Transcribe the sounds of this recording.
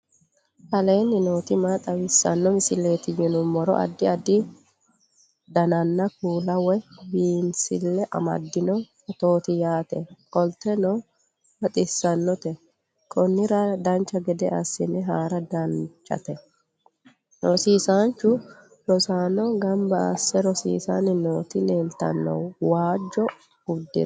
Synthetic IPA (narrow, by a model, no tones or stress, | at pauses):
hɐleːnːɪnoːt̪ɪmat̪ʼɐwɪsːɐ̰nːɔmɪsɪlːeːt̪ɪjɪnʊmɔɾɔ̰ʔɐ̰d̪ːɪɐd̪ːɪ | d̪ɐnɐnːɐkuːlɐwɔbiːnsɪlːɛʔɐ̰mɐ̰d̪ːɪnɔ | ɐt̪oːt̪ɪjaːt̪ɛ̰kʼɔlt̪ːɛnɔ | bɐt̪ʼɪsːɐnːɔt̪ɛ | kʼɔnːɪɾɐd̪ɐnt͡ʃːɐɡɛd̪ɛʔɐsːɪnːɛɦaːɾɐd̪ɐnt͡ʃːɐ̰t̪ɛ | ɾɔsiːsant͡ʃːʊ | ɾɔsaːnɔɡɐmbɐːsːɛɾɔsḭːsanɪnoːt̪ɪneːlt̪ɐ̰nːɔ̰wwaːd͡ʒːɔ | ʊd̪ːɪ̰